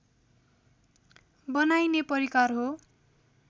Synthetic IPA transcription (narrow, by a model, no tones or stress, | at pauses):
bʌnajnepʌɾikarɦo